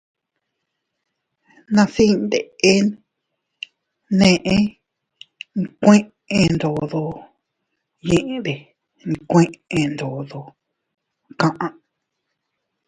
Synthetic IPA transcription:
nã˧si˦nd̪ḛ˨e˦ | nẽ˧˨ʔẽ˦ | ŋ˧kʷẽ˦ʔ | ẽ˧nd̪o˨ðo˧ | jẽ˦ʔẽ˧ðe˨ | ŋ˧˨kʷẽ˦ʔẽ˧nd̪o˨ðo˧ | kã˧ʔã˧

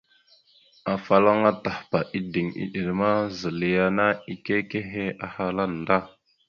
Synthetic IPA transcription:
a˨fa˨la˦ŋa˦ta˨hpa˨ʔi˦di˨ŋḭ˨ɗi˨ɾma˦zə˨li˨˦ja˦na˦i˦ke˦ke˦ɦe˦a˨ha˦la˦n˨da˦

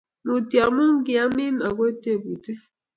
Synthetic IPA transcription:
nu˨ti˨a˨mʊ˦ŋ̩˦ɡɪ˨a˦mi˦na˨ɡo˦e˦te˦˨bu˨te˦

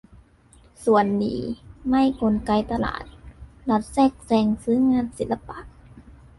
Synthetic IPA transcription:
su˨˩ənːḭː˨˩˦ma˥˩˨jko˧nka˧jt̪a˧la̰ː˨˩t̪̚la˧˥t̪̚sɛː˥˩k̚sɛː˧ŋsɯː˨˦˥ŋaː˧˥˨nsi˨˦t̪la˧pa˧˦k̚

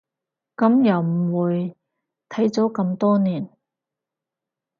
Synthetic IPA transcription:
kɐ˨˧˥mjɐ˨wm̩˨˩wuː˨˧j | t̪ʰɐ˨˥jt͡so˨˥kɐ˧mt̪ɔː˥niː˨˩n

